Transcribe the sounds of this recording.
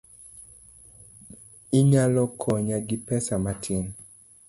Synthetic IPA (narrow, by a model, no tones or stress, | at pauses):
iɲalɔkʰɔɲaɡɪpɛsamatʰɪn